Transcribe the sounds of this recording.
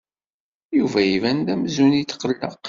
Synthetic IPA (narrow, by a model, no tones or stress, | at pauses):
juvæjivænd̪æmzunit̪ːqəlːə̰q